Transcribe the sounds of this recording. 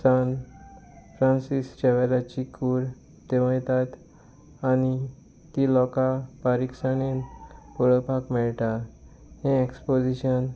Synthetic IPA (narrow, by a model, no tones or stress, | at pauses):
san | fɾãnsist͡ɕeʋɛɾat͡ɕikuɾ | t̪eʋəjt̪at̪ | ani | t̪ilɔkapaɾiksanenpuɭəpakmɛɭʈa | hẽekspod͡ʑiɕən